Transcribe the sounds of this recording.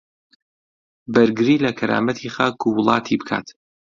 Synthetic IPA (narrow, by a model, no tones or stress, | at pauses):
bɐɾɡɨɾiːlɐkʰɐɾa̰ːmɐt̪ʰiχaːkuwʊlˠɑ̰ːt̪ʰibɨkʰa̰ːt̪